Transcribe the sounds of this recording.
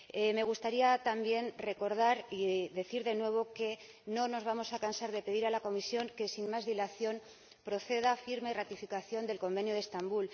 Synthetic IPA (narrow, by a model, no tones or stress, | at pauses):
eme̞ɣ̞ust̪aɾiat̪ambje̞nre̞ko̞ɾð̞aɾiðe̞θiɾðe̞nwe̞β̞o̞ke̞ | no̞no̞zβamo̞sakansaɾðe̞pe̞ðiɾalako̞misjo̞ŋke̞sinmazðilaθjo̞n | pɾo̞θe̞ðafiɾmairat̪ifikaθjo̞nd̪e̞lko̞mbe̞njoð̞e̞st̪ambul